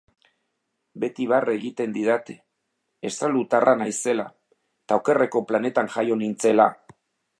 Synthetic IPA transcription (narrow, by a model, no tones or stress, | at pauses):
be̞t̪iβareɣit̪e̞nd̪iðat̪e | est̪ɾalut̪arʔanajse̞la | t̪aowke̞reko̞plane̞t̪aŋʝajo̞nint͡se̞la